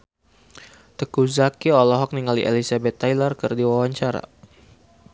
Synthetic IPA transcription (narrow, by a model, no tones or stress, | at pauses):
t̪əkuzakiɔlɔɦɔk̚niŋaliʔḛlisabɛt̪ːajlərkərdiwawaɲt͡ʃaɾa̰